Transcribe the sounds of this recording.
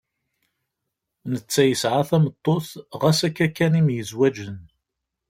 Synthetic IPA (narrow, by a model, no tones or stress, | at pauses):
nət͡sːæjəsʕaθæmət̪ˤːoθʁæsækːækːænimjəzwæd͡ʒən